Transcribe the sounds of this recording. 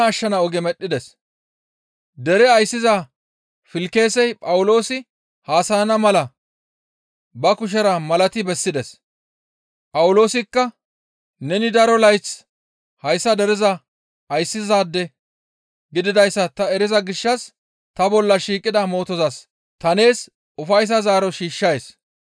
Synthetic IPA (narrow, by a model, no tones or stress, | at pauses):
ʃːɐnɐɔɡɛmɛɗːɪd̪ɛs | d̪ɛɾɛɐjsːɪzaː | fɪlke̞ːsɛjpʼɐwʊlo̞ːsɪ | haːsɐjɐnɐmɐlɐ | bɐkʊʃ̬ɛɾɐmɐlɐt̪ɪbɛsːɪd̪ɛs | pʼɐwʊlo̞ːsɪkːɐ | nɛnɪd̪ɐɾɔlɐjt͡s | hɐjsːɐd̪ɛɾɪzɐ | ɐjsːɪzaːd̪ːɛ | ɡɪd̪ɪd̪ɐjsːɐt̪ɐɛɾɪzɐɡɪʃːɐs | t̪ɐbɔlːɐʃiːkʼːɪd̪ɐmo̞ːt̪ɔzɐs | t̪ɐne̞ːs | ʊfɐjs̬ɐzaːɾɔʃiːʃːɐjes